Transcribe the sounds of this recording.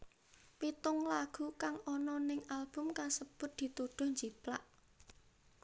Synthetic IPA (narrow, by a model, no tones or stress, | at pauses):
pit̪ʊŋlaɡ̥ṳkaŋɔnɔnɪŋalb̥ʊ̤mkasəb̥ʊ̤t̪̚d̪̥i̤t̪uɖ̪̥ʊ̤hɲd͡ʒiplaʔ